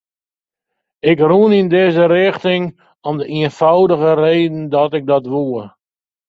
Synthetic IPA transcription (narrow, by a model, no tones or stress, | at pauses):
ɪkrunindɪzəɾɪxtɪŋ | ɔmdəʔiənfawdəɣəreːdən̩dɔtɪk̚dɔtʋuə